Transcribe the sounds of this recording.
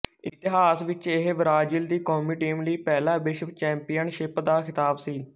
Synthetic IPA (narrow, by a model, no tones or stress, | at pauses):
ɪt̪ɪɦaːsʋɪt͡ʃeɦbɾaːd͡ʒild̪iːkoːmiːʈiːmləiːpɛːlãːbɪʃt͡ʃɛ̃ːmpijənʃɪpd̪aːkʰɪt̪aːbsiː